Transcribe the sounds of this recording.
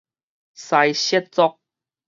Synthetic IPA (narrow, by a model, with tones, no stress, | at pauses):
sa˧jɕɛ˦˥t̚t͡sɔ˦k̚